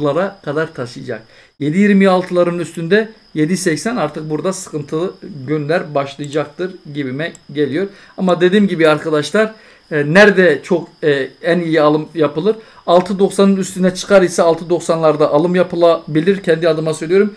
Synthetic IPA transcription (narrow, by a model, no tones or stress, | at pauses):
lˠaɾakʰad̪aɾt̪ʰaʃɯjd͡ʒa̰k̚ | je̞d̪ijiɾmijalˠt̪ʰɯlˠaɾɯnyst̪ʰynd̪ɛ | je̞d̪isɛcsænaɾt̪ʰɯk̚buɾd̪asɯ̥kʰɯnt̪ʰɯɟynlʲæɾbaʃlˠɯjd͡ʒak̚t̪ʰɯɾɟibimɛɟe̞lʲijo̞ɾ | amad̪e̞d̪iːmɟibiaɾkʰad̪aʃlˠaɾ | næɾd̪ɛt͡ʃʰo̞kænijialˠɯmjapɯlˠɯɾ | ɑlˠt̪ʰɯd̪o̞ksanɯnyst̪ʰynɛt͡ʃʰɯ̥kʰaɾisɛːlˠt̪ʰɯd̪o̞ksanlˠaɾd̪aʔːlˠɯmjapʰɯlˠabilʲiɾcʰɛnd̪iad̪ɯmasøjlʲijo̞ɾum